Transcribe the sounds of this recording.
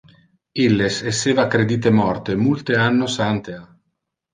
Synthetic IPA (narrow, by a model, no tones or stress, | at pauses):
ilːeseseːvakːɾed̪iːt̪emɔrt̪emult̪eanːosant̪ea